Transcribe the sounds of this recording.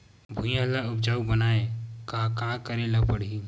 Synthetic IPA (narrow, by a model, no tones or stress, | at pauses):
bʱũjãlaʊp̚d͡ʒaːubɐnaːekakakəɾẽlɐpɐɽ̤i